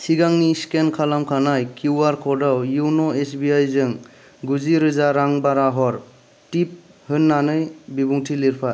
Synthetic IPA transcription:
sʰiɡaŋniskenkʰalamkʰanajkuaɾkʰɔdawjuwnɔesbiajzɯŋ | ɡuziɾɯzaɾaŋbaɾaɦɔɾ | tip̚ | hɯnːanɯjbibuŋtʰiliɾpʰa

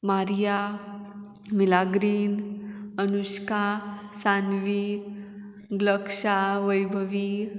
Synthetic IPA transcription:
maɾja | milaɡɾiːnənuɕkasanʋi | ɡləkʂaʋəjbʱəʋi

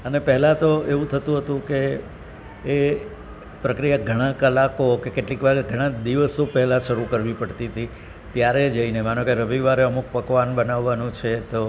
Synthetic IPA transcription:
ənepɛɦɛlat̪oeʋũt̪ʰət̪ũɦət̪ũkeː | pɾəkɾijaɡʱəɽ̃ãkəlakokekeʈlikʋaɾɡʱəɽ̃ãd̪iʋəsopɛɦlaʃəɾukəɾʋipəɽt̪it̪ʰi | t̪jaɾed͡ʒəinemanõkeɾəbʱiʋaɾeəmuk̚pəkʋanbənaʋːanũt͡ʃʰet̪o

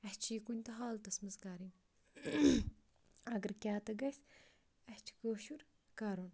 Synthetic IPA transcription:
ɐht͡ʃʰiːkunʲt̪ɐɦaːlt̪ɐsmɐzɡaːɾin | ɐɡɐɾkʲaːt̪ɐɡɐsʲ | ɐht͡ʃʰi̥ɡoːʃuɾ | kɐɾun

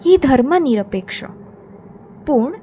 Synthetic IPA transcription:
hid̪ʱəɾməniɾəpekʂə̰ | puɳ

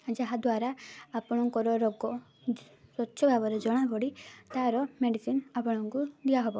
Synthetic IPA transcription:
d͡ʒaɦad̪waɾaːpɔɽ̃ɔŋkɔɾɔɾɔɡɔ | sɔtːʃʰɔbʱabɔɾed͡ʒɔɽ̃abʱɔɽit̪aɾɔmeɖisinapɔɽ̃ɔŋkud̪iaɦɔbɔ

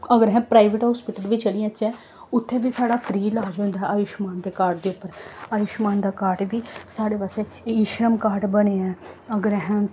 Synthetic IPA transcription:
əɡəɾɦɛ̃ːpɾaːɪʋɪʈɦɔːspɪʈəlʋiːt͡ʃəɽijãːt͡ʃːɛ̃ː | ʊt̪ʰːeːʋiːsaːɽaːpʰɾiːlaːd͡ʒɦʊ̃nd̪aːɛaʋɪʃmaːnd̪eːkaːʈd̪eːʊpːəɾaːʋɪʃmaːnd̪aːkaːɾʈʋiːsaːɽeːʋast̪eː | ɪʃɾəmkaːʈbəneːɛ̃ːəɡəɾɦɛ̃ː

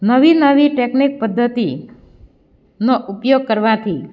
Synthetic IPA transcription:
nəʋinəʋiʈeknik̚pəd̪ʱːət̪i | noʔupjoɡ̚kəɾʋat̪ʰi

